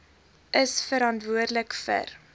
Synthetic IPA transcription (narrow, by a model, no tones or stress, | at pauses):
ʔəsfəɾɑntvuərdləkfə̰r